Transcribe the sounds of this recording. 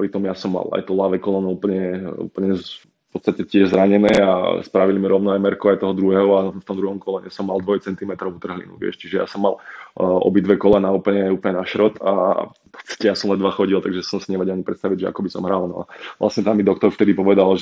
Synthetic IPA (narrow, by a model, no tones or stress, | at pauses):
pɾit̪ɔmjasɔmːa̰la̰jt̪ɔlaʋɛkɔlɔnuuːpl̩ɲɛṵpl̩ɲɛ | pɔt̪st̪acɛtɪɛʒzɾaɲɛnɛːa̰spɾaʋilimiɾɔʊnɔajmɛɾkuajt̪ɔɦɔd̪ɾuɦɛɦɔanft̪ɔmd̪uɦɔmkɔlɛɲɛ̰sɔmːalˠd̪ʋɔjt͡sɛnt̪imɛt̪ɾɔʊut̪r̩ɦlḭnṵʋɛ̰ʃt͡ʃiʒɛja̰sɔmːalɔ̰bid̪ʋɛkɔlɛnaupl̩ɲɛuːpl̩ɲɛnaʃɾɔt̪a̰ | pɔ̥t̪t͡st̪i̥cɛjasɔmlɛnd̪ʋaxɔɟilˠt̪aɡʒɛsɔmsiɲɛʋɛɟaɲipɾɛt̪st̪aʋiɟʒɛa̰kɔbisɔmɦɾalnɔ̰a̰ʋlʔa̰sɲɛt̪amːid̪ɔk̚t̪ɔɾft̪ɛd̪ipɔʋɛd̪alʒ